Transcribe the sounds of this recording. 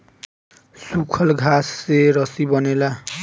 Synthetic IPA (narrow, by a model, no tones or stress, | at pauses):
sukʰʌlɡʱasːeɾʌsibʌnela